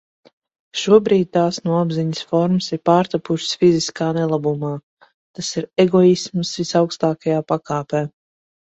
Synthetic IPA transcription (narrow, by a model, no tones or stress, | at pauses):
ʃuɔbɾiːd̪̚t̪aːsnuɔabziɲəsfɔɾməsiɾpaːɾt̪apuʃsfiziskaːnɛlˠabumaː | t̪asiɾɛɡɔismsvisawkst̪aːkajaːpakaːpɛː